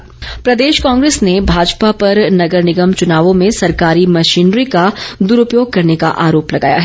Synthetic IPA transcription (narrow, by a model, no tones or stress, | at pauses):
pɾɐd̪eːʃkãːŋɡɾeːsnebʱaːd͡ʒpapɐɾnɐɡəɾnɪɡəmt͡ʃʊnaːʋõmẽsɐɾkaːɾimɐʃiːnɾikad̪ʊɾʊpjoːɡ̚kɐɾneka̰ʔaːɾoːplɐɡa̰ːja̰ɦɛ